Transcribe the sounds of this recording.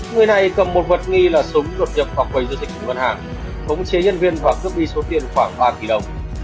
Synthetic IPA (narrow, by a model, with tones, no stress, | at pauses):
ŋɨ˨˩əjna˨˩jkə˨˩mːo˨˩t̚və˨˩t̚ŋi˧laː˨˩sʊ˨˦ŋ͡mlo˨˩t̚ɲḭ˧˨pvaː˨˩kwə˨˩jzəː˧˦zi˨˩k̚ʰʊ˧˩ŋvə˧nhaː˨˩ŋ | xə˨˦wŋ͡mt͡ɕe˨˦ɲə˧nvi˧ənvaː˨˩kɨ˦˥əp̚ɓi˧so˨˦t̪i˨˩ənxwaː˧˩ŋɓaː˧ki˨˩ɗə˨˩wŋ͡m